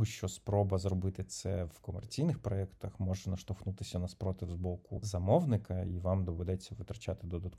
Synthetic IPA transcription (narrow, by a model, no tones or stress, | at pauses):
ʊʃt͡ʃɔspɾɔbɐzrɔbɪt̪ɪt̪sɛʋkɔmɛrt͡sʲijnɪxpɾɔɛkt̪ɐxmɔʒɛnɐʃt̪ɔxnut̪ɪsʲɐnɐspɾɔt̪ɪwzbɔkʊzɐmɔwnɪkɐiʋamd̪ɔʋɛd̪ɛt͡sʲːɐʋɪt̪ɾɐt͡ʃat̪ɪd̪ɔd̪ɐt̪k